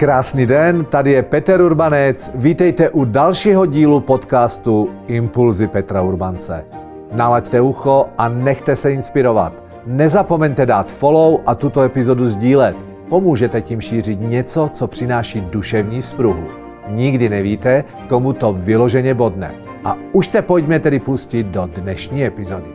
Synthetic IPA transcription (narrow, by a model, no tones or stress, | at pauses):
kɾaːsniːdɛnt̪adɪjɛpɛt̪ɛɾuɾbanɛt͡sviːt̪ɛjt̪ɛʔudalʃiːɦoɟiːlupot̪kaːst̪uɪmpulzɪpɛt̪ɾauɾbant͡sɛ̰ | nalact̪ɛuxoʔanɛxt̪ɛsɛɪnspɪɾova̰t̪ | nɛzapo̞mɛɲt̪ɛdaːt̪folowʔat̪ut̪oɛpɪzoduzɟiːlɛt̪ | pomuːʒɛt̪ɛciːmʃiːr̝ɪt̪ɲɛt͡sot͡sopr̥ɪnaːʃiːduʃɛvɲiːfspɾuɦṵ | ɲɪɡdɪnɛviːt̪ɛ | komut̪ovɪloʒɛɲɛbo̞dnɛ̰ | ʔa̰uʃsɛpoɟmɛt̪ɛdɪpuscɪd̪̚dodnɛʃɲiːɛpɪzodɪ